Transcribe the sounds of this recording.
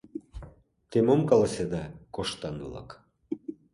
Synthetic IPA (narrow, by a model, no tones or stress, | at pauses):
t̪emomkɑlɑsed̪ɑkoʃt̪ɑnulɑ̰k